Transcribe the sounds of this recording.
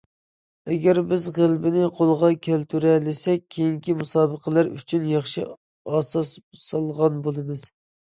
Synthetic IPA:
ɛɡʲæɾbɪzʁəlˠbɪnɪqʰolˠʁɑkʲʰɛlt̪ʰyɾɛlɪsɛk̚ʲʰejiŋkʲimusɑːbəqʰəlæɾy̰t͡ʃʰynjɑχʃḭ | ɑsɑssɑlˠʁɑnbolˠɨmɨz̥

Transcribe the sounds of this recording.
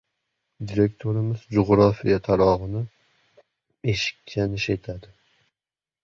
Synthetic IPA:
d̪iɾe̞kt̪ʰoɾɪmɪzd͡ʒoʁɾɒfijat̪ʰaɾɒʁɨnɪ | e̞ʃɪ̥k̚ʲt͡ʃʰanɪʃet̪ʰad̪ɪ

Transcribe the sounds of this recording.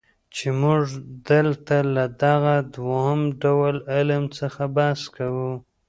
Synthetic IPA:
t͡ʃemʊʐd̪əlt̪alad̪aɣad̪wohamɖawalɪlamt͡səxabɑskawu

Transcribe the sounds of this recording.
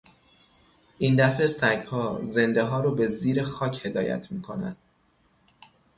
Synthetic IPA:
ʔind̪æfesæɟhɒːze̞nd̪eɦɒːɾoːbe̞ziːɾe̞xɒːcʰhe̞d̪ɒːjæ̰t̪ʰmiːkʰo̞næ̰d̪̥

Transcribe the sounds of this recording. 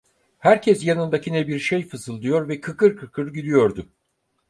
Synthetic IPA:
hæɾcʰɛsjanɯnd̪acinɛbiɾʃejfɯzɯlˠd̪ɯjo̞ɾvɛkʰɯkɯɾkʰɯkʰɯɾɟylʲyjo̞ɾd̪ʊ

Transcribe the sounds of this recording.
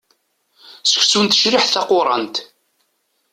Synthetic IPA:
sə̥çsunt̪ə̥ʃɾiħθɑqːʊɾˤɑ̰nt̪

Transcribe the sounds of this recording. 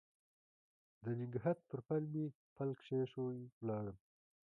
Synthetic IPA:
d̪ənɪŋɡɦat̪̚pəɾpalmi | palkʃeʂowlɑːɽəm

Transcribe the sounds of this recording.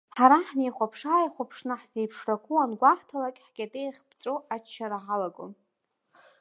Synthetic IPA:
ħaɾaħnejχʷapʰʂaːjχʷapʰʂnɨħzejpʰʂrakʰʷʼuanɡʷaħtʰalakʲʼħɡʲʼatʼejχʲbt͡sʷʼoʔat͡ʃt͡ʃʰːaɾaʕalaɡʼo̰n

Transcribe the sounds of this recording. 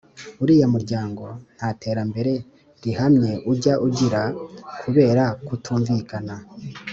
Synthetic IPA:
uɾiːjomuɾɟaːŋɡo̞n̥hate̞ːɾambe̞ɾe̞ | ɾihamɲe̞ʔuɟaʔuɟiɾakʰuβe̞ːɾakutʰuːɱvikana

